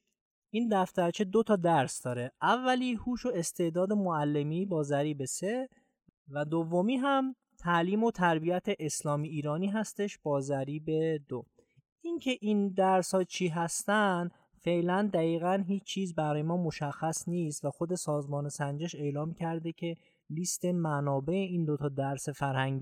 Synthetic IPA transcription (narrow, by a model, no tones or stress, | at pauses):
ʔiːnd̪æft̪æɾt͡ʃʰed̪o̞t̪ʰɒːd̪æɾsd̪ɒːɾeʔævːæliːhuːʃoe̞st̪e̞ʔd̪ɒːd̪e̞moælːemibɒːzæɾiːbe̞se | væd̪ovomiːɦæm | t̪ʰæliːmot̪ʰæɾbijæt̪ʰe̞ʔeslɒːmiːɾɒːniːɦæst̪e̞ʃb̥ɒːzæɾiːbe̞d̪o | incʰe̞ʔind̪æɾshɒːt͡ʃʰiːɦæst̪ænd̪ | fe̞ʔlænd̪æɣiːɣænɦiːt͡ʃt͡ʃʰːiːzbæɾɒːjemɒːmo̞ʃæxːæsniːst̪væxo̞d̪e̞sɒːzmɒːnesænd͡ʒeʃe̞ːlɒːmcʰæɾd̪ecʰe̞ | liːst̪e̞mænɒːbe̞eind̪ot̪ʰɒːd̪æɾsefæɾhæŋɡi